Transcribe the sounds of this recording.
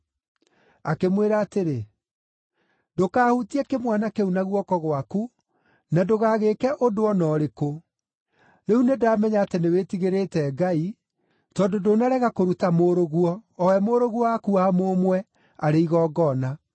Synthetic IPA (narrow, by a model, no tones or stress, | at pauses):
akemweɾaːteɾe | dokaːhutiɛkemwanakeunaɣwɔkɔɣwaku | nadoɣaːɣekɛʔodoɔnɔːɾeko | neunedaːmɛɲaːtenewetiɣeɾetɛɡai | tɔːdodonaɾɛɣakoɾutamoɾoɣuɔːwɛmoɾoɣwɔakuamomwɛ | aɾeiɣɔːɡɔna